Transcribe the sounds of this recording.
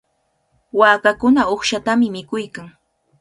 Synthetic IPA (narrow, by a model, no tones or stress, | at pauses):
waːkakʊnaoχʃat̪amɪmɪkʊjkaŋ